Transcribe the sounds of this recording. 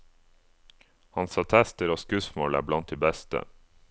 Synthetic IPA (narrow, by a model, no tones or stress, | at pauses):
hɑnsɑːt̪ʰæst̪əɾoːskʉsmo̰ːlæ̰ːblɑnt̪̚d̪iːbæst̪ə̰